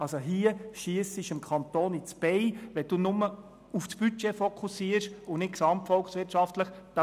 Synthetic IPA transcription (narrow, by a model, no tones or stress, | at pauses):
ɑlsoɦiəʃiəsɪʃɪmkʰɑnt̪oːnit͡sb̥ɛɪʋɛd̥̪uːnʊmə | ufsb̥yt͡ʃɛfɔkʰusiəɾʃʊnɪtksɑmptfɔlksʋɪrtʃɑft̪ləχd̥ɑ